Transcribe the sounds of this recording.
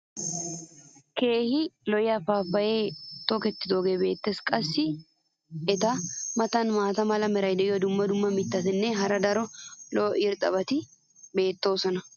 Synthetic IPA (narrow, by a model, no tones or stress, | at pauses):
ke̞ːhɪlɔjɐfaːfːɐjeːt̪ɔkɛt̪ːɪd̪oːɡeːbe̞ːt̪ːeːskʼɐsːɪ | ɛt̪ɐmɐt̪ɐnmaːt̪ɐmɐlɐmɛɾɐjd̪ɛʔɪjɔd̪ʊmːɐd̪ʊmːɐmɪt̪ːɐt̪ɛnːɛɦɐɾɐd̪ɐɾɔlɔːʔɪɾt̪ʼɐ̰βɐt̪ɪ | be̞ːt̪ːo̞ːsɔnɐ